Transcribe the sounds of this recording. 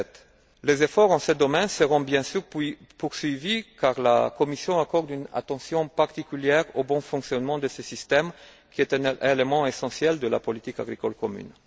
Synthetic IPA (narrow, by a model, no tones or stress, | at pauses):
t̪ | lezefɔʁɑ̃səd̪ɔmɛ̃nsəʁɔ̃bjɛ̃syʁ | puʁsɥivikaʁla̰kɔmisjɔ̃akɔʁd̪yna̰t̪ɑ̃sjɔ̃paʁt̪ikʲyljɛʁobɔ̃fɔ̃ŋksjɔnmɑ̃d̪əsəsist̪ɛm | kʲiɛt̪ɛ̃nelemɑ̃esɑ̃sjɛld̪əla̰pɔlit̪ika̰ɡʁikɔlkɔmy̰n